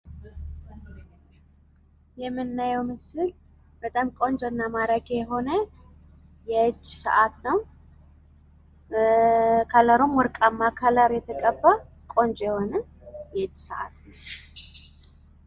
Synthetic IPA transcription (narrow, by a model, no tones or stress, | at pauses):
jɛmːɨnːajɛwmɨsɨl | b̥ət̪ʼamkʼo̞nd͡ʒonːamaɾəɡɛɦo̞nə | jɛɨt͡ʃːsə̰ʔat̪nəw | kʰaləɾomwɔɾkʼamːakʰəlaɾjɛt̪ʰəkʼəbːa | kʼo̞nd͡ʒjɛho̞nə | jɛɨt͡ʃːsəʔa̰t̪nəw